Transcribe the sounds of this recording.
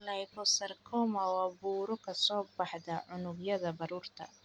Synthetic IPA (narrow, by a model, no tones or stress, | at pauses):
lɐjkʰɔsɐrkʰɔːmɐwɑːbuːɾɔkʰɐsɔːbɑħðɐʕʊnʊɡjɐðɐbɐɾuːrt̪ʰɐ̰